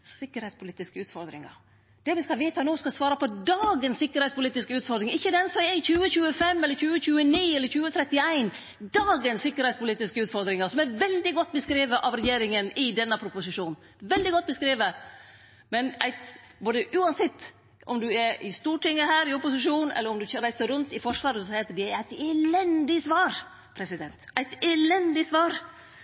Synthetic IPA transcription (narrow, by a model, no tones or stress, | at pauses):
sɪkːəɾhɛɪtspʊliːt̪ɪskəʉːt̪fɔɾd̪ɾɪ̰ŋɑ̰ | d̪̥ɛʋɪskɑʋæɪt̪ʰɑnoːskɑsʋɑːɾɑpʰɔd̪ɑːɡənsːɪkːəɾhɛɪtspʊliːt̪ɪskəʉːt̪fɔɾd̪ɾɪŋɪçːəd̪ɛnsɔɛɪçʉːəçʉːəfɛmːɛlːəɾçʉːəçʉːəniːɛlːəɾçʉːət̪ʰɾɛt̪ːɪæɪn | d̪ɑːɡənsːɪkːəɾhɛɪtspʊliːt̪ɪskəʉːt̪fɔɾd̪ɾɪŋɑsɔmæɾʋɛld̪ɪɡɔt̪ːbəskɾiːʋəʔɑʋɾɛjeːɾɪŋənɪd̪ɛnːəpʰɾʊpʊsɪʂuːn | ʋɛld̪ɪɡɔt̪̚ːbəskɾiːʋə | mɛnæɪt̪ | boːd̪əʔʉːɑnsɪt̪ː | ʔɔmd̪ʉɛʔɪst̪uːʈʰɪŋːəhæːɾɪʊpʊsɪʂ̬uːnɛ̰lːəɾɔmd̪ʉɾæɪsəɾʉnt̪ɪfɔʂʋɑːɾəsɔheːt̪əɖɛæɾæɪt̪ɛlɛnd̪ɪsʋɑːɾ | pʰɾɛsɪd̪ɛnt̪æɪt̪ɛlɛnd̪ɪsʋɑːɾ